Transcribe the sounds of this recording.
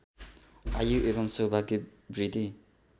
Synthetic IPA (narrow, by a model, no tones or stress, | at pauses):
ajuʔebʌmsobaɡibɾid̪i